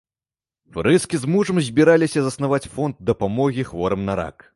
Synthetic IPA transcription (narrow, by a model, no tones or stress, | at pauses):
fɾɨskʲizmuʐɐmzʲbʲiɾalʲisʲɐzɐsnavat͡sʲfɔnd̪d̪ɐpamɔɣʲixvɔɾɐmnɐɾa̰k